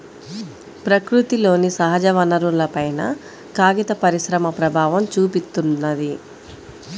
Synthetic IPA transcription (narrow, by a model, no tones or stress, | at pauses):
pɾɐkɾut̪ilo̞ːnisɐɦɐd͡ʒɐʋɐnɐɾulɐpɐjnɐ | kaːɡit̪ɐpɐɾisɾɐmɐpɾɐbʱaːʋɐmt͡ʃuːpist̪ːunːɐd̪i